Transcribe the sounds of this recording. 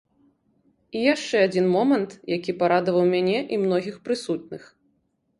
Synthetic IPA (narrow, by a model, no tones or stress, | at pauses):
ijaʂt͡ʂɛad͡zʲinmɔmɐnt̪jakʲipaɾad̪ɐvɐwmʲanʲɛʔimnɔɣʲixpɾɨsut̪̚nɨx